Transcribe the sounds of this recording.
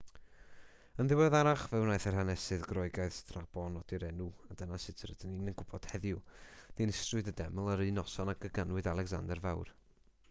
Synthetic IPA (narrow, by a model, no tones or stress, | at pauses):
ənðɪwɛðaɾaχvɛwnaːjθɛrhanɛsɨðɡrɔɨɡaɨðd̥rab̥ɔnɔd̥iɾɛnuadənasɪtʰəɾəd̥əninənɡʊb̥ɔd̥hɛðjʊd̥inɪstrʊðədɛmlˠəɾɨnɔsɔnaɡəɡanwɨðalˠɛɡza̰ndɛrvawr